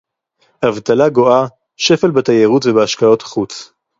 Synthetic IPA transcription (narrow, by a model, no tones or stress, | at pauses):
havt̪alaɡo̞ʔa | ʃefelbat̪ajeʁutvebeaʃkao̞t̪ḁχut͡s